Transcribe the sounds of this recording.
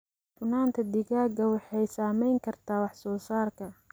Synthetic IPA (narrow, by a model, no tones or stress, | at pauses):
fʊnaːnt̪ʰɐd̪ɪɣaːɡɐwɑħɑjsaːmɛjŋkʰɐrt̪ʰaːwɑħsɔːsaːrkʰɐ